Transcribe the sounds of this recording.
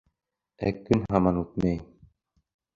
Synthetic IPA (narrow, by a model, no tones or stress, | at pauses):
æ̰kːɵnɦɑmɑnut̪̚mæj